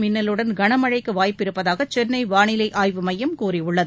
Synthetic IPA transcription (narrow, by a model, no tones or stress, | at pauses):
mɪnːɐlɯɽɐnɡɐɳɐmɐɻɐɪkːɯʋaːjpːɪɾɯpːɐðaːɣɐt͡ʃɛnnɐɪʋaːɳɪlɐɪʔaːjʋɯmɐjːɐmkuːɾiʊɭːɐðɯ